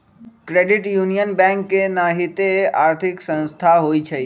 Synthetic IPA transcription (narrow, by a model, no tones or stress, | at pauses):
kɾeːɖɪʈjuːnijənbɛ̃ːŋkːenaːɦɪt̪eaːɾt̪ʰɪksə̃nst̪ʰaɦoːit͡ʃʰɐi